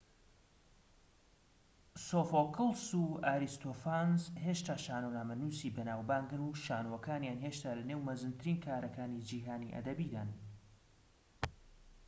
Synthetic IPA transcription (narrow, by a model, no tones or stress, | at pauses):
sofokʰɨlˠsuaːɾist̪ofanzheʃt̪aːʃaːnonaːmɐnuːsibɐnaːwbaːŋɡɨnuʃaːnuwɐkaːnjaːnɦeʃt̪aːlɐnewmɐzɨnt̪ʰɨɾiːnkʰaːɾɐkaːnid͡ʒiːɦaːniʔɐ̰d̪ɐbiːd̪ann